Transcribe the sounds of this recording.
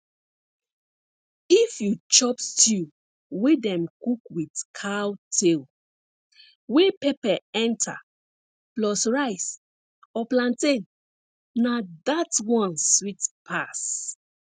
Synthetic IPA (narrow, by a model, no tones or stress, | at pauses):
ifjut͡ʃɔpstu | wedɛ̃mkukwidkʰawtʰel | wepepaɛ̃ntʰa̰ | plɔsɹaɪs | ɔplãntẽnː | adatwɔ̃nswitpʰas